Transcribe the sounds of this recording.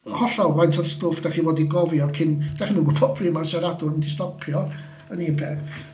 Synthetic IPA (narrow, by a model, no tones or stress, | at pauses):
hɔɬɔwajntʰɔðstoːfd̥aχiːwɔːdiɡɔvjɔkʰɪnd̥aχimənɡʊbʰɔfrimarsaɾadʊrəndɪstɔpʰjɔ | əniənbʰɛː